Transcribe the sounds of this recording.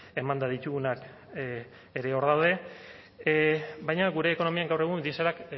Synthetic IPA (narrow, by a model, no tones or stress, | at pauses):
e̞mand̪aðit̪uɣunak | eɾe̞o̞ɾðawd̪e̞ | bajɲaɣuɾe̞ːko̞no̞miaŋɡawre̞ɣ̞und̪iseɾak